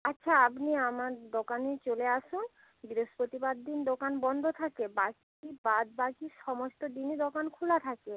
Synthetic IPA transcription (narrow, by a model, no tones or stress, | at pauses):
atːɕʰaapniamaɾd̪okanet͡ɕoleaʃun | biɾoʃpɾot̪ibad̪ːind̪okanbɔnd̪ʱot̪ʰakebak | ibad̪̚bakiʃɔmost̪od̪ined̪okankʰulat̪ʰake